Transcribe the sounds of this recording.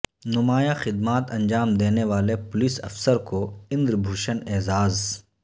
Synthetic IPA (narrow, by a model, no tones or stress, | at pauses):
nʊmaːjaxɪd̪maːt̪ɐ̃ɲd͡ʒaːmd̪eːneʋaːlepʊlisɐ̰fsəɾkoɪ̃nd̪ɾbʱuːʃənɛːzaːz